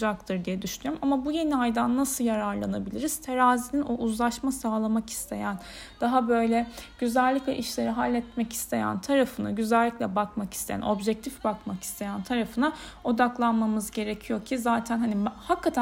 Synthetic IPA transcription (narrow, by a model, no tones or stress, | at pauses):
d͡ʒak̚t̪ʰɯɾd̪ijɛd̪yʃynyɾmamabuje̞niajd̪anːasɯjaɾaɾlˠanabilʲiɾiz̥t̪ʰe̞ɾaːzininoʔuzlˠaʃmasaːlˠamaki̥st̪ʰe̞jæn | d̪̥aɦabø̞jlʲɛɟ̥yzælʲːiclʲɛ̰ʔiʃlʲe̞ɾiɦalʲːɛt̪mɛci̥st̪ʰe̞jæ̰nt̪ʰaɾafɯna̰ɟyzælʲːiclʲɛbakmaki̥st̪ʰe̞jæ̰no̞bʒɛc̚t̪ʰifbakmaki̥st̪ʰe̞jænt̪ʰaɾafɯnao̞d̪aklˠanmamɯzɟe̞ɾecʰijo̞cʰizaːt̪ʰænɦanihakːat̪ʰæ